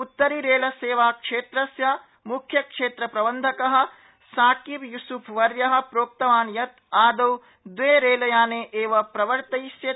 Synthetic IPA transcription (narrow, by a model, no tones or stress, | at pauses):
ut̪ːɐɾiɾeːlɐseːʋaːkʂeːt̪ɾɐsjɐ | mukʰjɐkʂeːt̪ɾɐpɾɐbɐnd̪ʱɐkɐɦɐ̆ | saːkibjusupʰʋɐɾjɐɦɐ̆pɾoːk̚t̪ɐʋaːnjɐt̪aːd̪ɐw | d̪ʋeːɾeːlɐjaːneːʔeːʋɐpɾɐʋɐɾt̪ɐjsjɐ